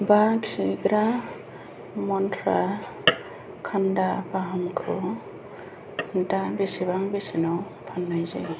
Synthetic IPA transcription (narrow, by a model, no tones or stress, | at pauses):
baksiɡɾa | mɔntʰɾa | kʰandabaɦɔmkʰɔ | dabisiβaŋbisinɔw | pʰanːajzḛ